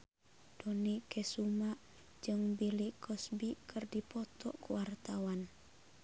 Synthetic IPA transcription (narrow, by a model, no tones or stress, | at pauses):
d̥ɔnikɛsumaʔ | d͡ʒɨŋbilikɔsbikʰɨrdipɔt̪ɔkuwart̪awan